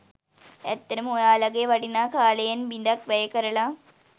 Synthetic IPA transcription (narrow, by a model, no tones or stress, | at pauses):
et̪ːɐɾumojaːlɐɣeʋɐɽinakʰaːlɐjɐnbind̪ɐk̚ʋɐjɐkːɐɾɐɭa